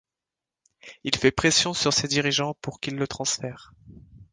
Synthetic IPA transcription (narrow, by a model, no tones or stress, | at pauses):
ilfɛpχesjɔ̃syʁsed̪iʁiʒɑ̃puʁkilːət̪χɑ̃sfɛːʁ